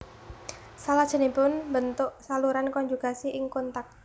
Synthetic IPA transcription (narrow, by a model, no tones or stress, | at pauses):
salad̥ʒ̥ə̤nipʊnbənt̪ʊʔsaluɾankɔɲd͡ʒukasiʔɪŋkɔnt̪ak̚